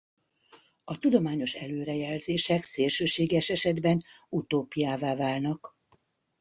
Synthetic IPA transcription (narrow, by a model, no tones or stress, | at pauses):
ɒt̪ud̪o̞maːɲo̞ʃɛløːɾɛjɛlzeːʃɛkseːlʃøːʃeːɡɛʃɛʃɛd̪bɛnut̪oːpijaːvaːvaːlnɒk